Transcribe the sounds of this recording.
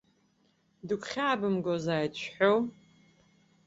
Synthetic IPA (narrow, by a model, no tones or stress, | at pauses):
dɨkʷʰχʲaːbɨmɡozaːjdt͡ɕʷᶣħow